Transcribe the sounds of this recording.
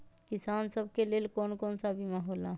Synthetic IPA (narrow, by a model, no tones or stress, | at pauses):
kisansəb̚ʱkelelkonkɔnsabʱimeɦolã